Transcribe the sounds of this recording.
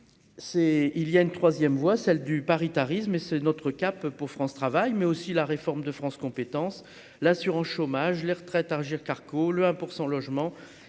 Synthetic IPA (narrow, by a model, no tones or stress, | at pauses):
sɛiljaynt̪χwazjɛmvwasɛld̪ypaʁit̪aʁismesɛnɔt̪χəkapːuʁfχɑ̃st̪χavajmɛosilaʁefɔʁmd̪əfχɑ̃skɔ̃pet̪ɑ̃s | lasyʁɑ̃sʃomaʒleʁət̪χɛt̪aʁʒiʁkaʁkoləɛ̃puʁsɑ̃lɔʒmɑ̃